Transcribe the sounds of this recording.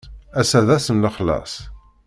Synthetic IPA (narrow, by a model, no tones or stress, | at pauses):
æsæðæsənləχlɑ̰sˤ